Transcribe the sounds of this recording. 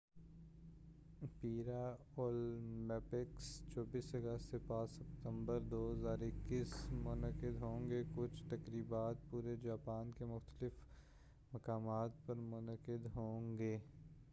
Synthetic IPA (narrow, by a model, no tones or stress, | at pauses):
piːɾa | ɔːlmɛːpɪkst͡ʃɔːbiːsɐɡəst̪sepaːt͡ʃsɐpt̪ə̃mbəɾd̪oːɦəzaːɾɪkːiːsmʊnəkɪd̪ɦõːŋɡekʊt͡ʃʰt̪ɐkɾiːbaːt̪̚puːɾed͡ʒaːpaːnkemʊxt̪əlɪf | mɐkaːmaːt̪̚pɐɾmʊnəqkɪd̪ɦõːŋɡeː